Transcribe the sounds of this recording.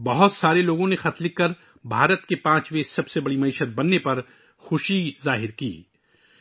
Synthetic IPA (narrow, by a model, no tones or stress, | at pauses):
bɐɦʊt̪saːɾeloːɡõnexɐt̪lɪkːɐɾ | bʱaːɾət̪kepãːt͡ʃʋesɐbsebɐɽimɐɪʃət̪̚bɐnːepɐɾ | xʊʃizaːɦɪɾkḭː